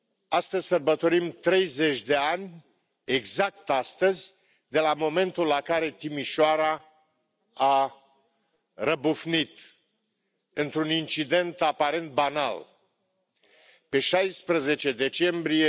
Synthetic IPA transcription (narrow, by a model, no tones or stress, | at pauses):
ast̪əzʲsərbət̪o̞ɾimt̪ɾe̞jze̞t͡ʃʲd̪e̞anʲ | eɡzak̚t̪ast̪əzʲ | d̪e̞lamo̞me̞nt̪ulːakaɾe̞t̪imiʃoaɾa | a | rəbufnit̪ | ɨnt̪ɾunint͡ʃid̪e̞nt̪apaɾe̞nt̪̚bana̰l | pe̞ʃajspɾəze̞t͡ʃe̞d̪e̞t͡ʃe̞mbɾie